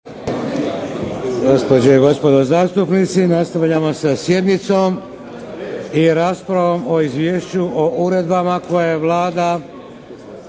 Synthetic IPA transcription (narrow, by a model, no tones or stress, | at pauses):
ɡospod͡ʑeɡo̞spo̞d̪ozaːst̪upnit̪sinast̪aʋʎamo̞sasje̞d̪nit̪so̞m | iɾaːspɾaʋo̞mo̞izʋjeːʃt͡ɕuʔouɾe̞d̪bamako̞jaeʋlˠaːd̪a